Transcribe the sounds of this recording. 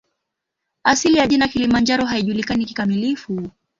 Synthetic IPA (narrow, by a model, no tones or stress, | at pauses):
asilijaʄinakilimand͡ʒaɾɔɦaiʄulikaniki̥kamilifu